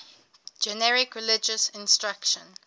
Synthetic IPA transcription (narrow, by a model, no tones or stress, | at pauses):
d͡ʒɛnɛɹɪkɹɪlɪd͡ʒəsɪ̃nstɹakʃə̃n